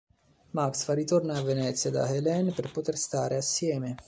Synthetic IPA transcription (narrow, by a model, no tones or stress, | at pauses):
maksfarːit̪ornaavːenɛt̪sːjad̪a̰helɛnperpot̪erst̪aːɾʔeasːjɛːme